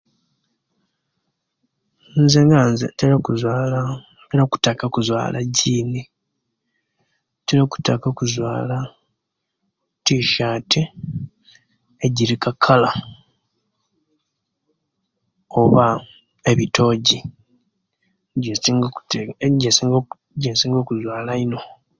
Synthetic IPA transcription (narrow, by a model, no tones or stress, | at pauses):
nzeŋɡanzeteɾakuzala | teɾaku̥takakuzwa̰ːla̰ɟiːne | teɾaku̥takakuzwaːla | tiʃaːtʰe | eɟiɾikakʰːala | oβa | e̞βitʰo̞ɟi | ɟei | ɟesiŋɡo | ɟensiːŋɡo̞ːkuzwaːlaino̞